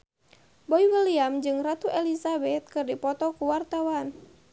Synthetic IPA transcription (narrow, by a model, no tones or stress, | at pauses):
bɔiwəliamd͡ʒɨŋrat̪uʔɛlisabɛt̪̚kɨrdipɔt̪ɔkuwart̪awan